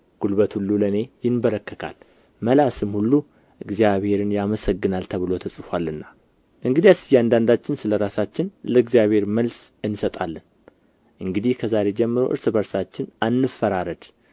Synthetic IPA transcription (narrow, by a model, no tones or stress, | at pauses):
ɡ̥ulbət̪hulːuləne̞jɪnbəɾəkːəkʰa̰l | məlasɨmhulːu | ʔɨɡzijaβhe̞ɾɨnjaməsəɡːɨnalt̪ʰəβɨlo̞t̪ʰəsʼɨfwalːɨnːa | ʔɨŋɡɨd̪ijasɨjːand̪and̪at͡ʃːɪnsɨləɾasat͡ʃːɪnləɨɡzijaβhe̞ɾməlsɨnːsət̪ʼalːɨn | ʔɨŋɡɨd̪ihkʰəzaɾe̞d͡ʒɛmːɨɾo̰ʔɨ̰ɾsɨbəɾsat͡ʃːɪnanːɨfːəɾaɾəd̪